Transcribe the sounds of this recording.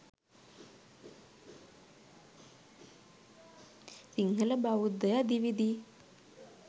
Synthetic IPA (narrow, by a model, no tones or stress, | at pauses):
siŋɡəlɐbaʋud̪əjad̪iʋid̪i